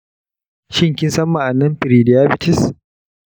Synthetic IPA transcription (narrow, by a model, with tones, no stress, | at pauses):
ʃɪ˦ŋkʲɪ˦nsɐ˦mːa˨ʔa˨nɐ˦mɸɪ˨ɾiː˨dɪ˨jaː˦bɪ˦tɪ˦s